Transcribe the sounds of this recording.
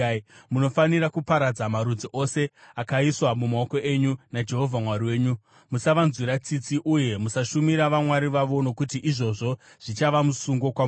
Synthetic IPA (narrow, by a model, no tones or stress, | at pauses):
muno̞faniɾakupaɾad͡zamaɾud͡ziʔo̞se̞akaiswamumaoko̞ʔe̞ɲunad͡ʒe̞ɦo̞vʱamwaɾiwe̞ːɲu | musaʋanziɾat͡sit͡siʔuje̞musaʃumiɾaʋamwaɾiʋaʋo̞no̞kut̬iʔiʐo̞ʐo̞ | ʐ̥it͡ʃaʋamusuŋɡo̞kwam